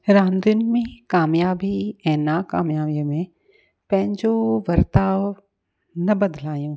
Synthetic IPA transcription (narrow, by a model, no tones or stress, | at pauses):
ɾãːnd̪ɪnmẽkaːmjaːbiɛ̃ːnakaːmjaːbijmẽ | pɛ̃ɦnd͡ʒoʋɐɾt̪aːʋ | nɐbɐd̪laːjũː